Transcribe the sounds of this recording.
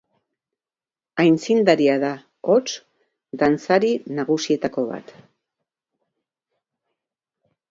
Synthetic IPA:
ajnt͡sind̪aɾiaða | ot͡s | d̪ant͡saɾinaɣ̞usie̞t̪ako̞βa̰t̪

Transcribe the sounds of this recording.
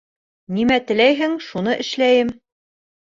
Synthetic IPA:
nimæt̪ɘ̆læjɦɘŋʃunɤʔɘ̆ʃlæjɘm

